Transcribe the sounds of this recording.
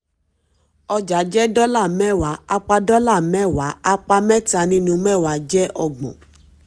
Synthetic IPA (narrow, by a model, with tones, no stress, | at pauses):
ɔ˧d͡ʒa˨˦d͡ʒɛ˦dɔ˦la˦˨mɛ̃˦˨wa˨˦a˧k͡pa˧dɔ˦la˦˨mɛ̃˦˨wa˨˦a˧k͡pa˧mɛ̃˦ta˧nĩ˧nũ˧mɛ̃˦˨wa˨˦d͡ʒɛ˦ʔɔ˧ɡ͡bɔ̰̃˨